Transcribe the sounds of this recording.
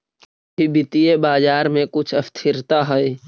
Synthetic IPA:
bibɪt̪ijebaːd͡ʒaːɾmẽkʊt͡ʃʰɐst̪ʰɪɾt̪aɦɛe

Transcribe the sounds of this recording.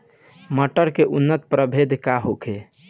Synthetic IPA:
məʈəɾkeʔunːət̪pɾəbʱed̪kaɦokʰe

